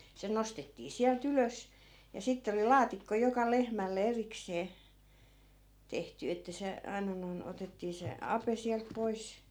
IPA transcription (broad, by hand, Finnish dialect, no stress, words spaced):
se nostetːiː siælt yløs jɑ sitːe oli lɑːtikːo jokɑ lehmælːe erikseː tehty etːæ se ɑinɑ noi̯n otetːiː se ɑpe siælt pois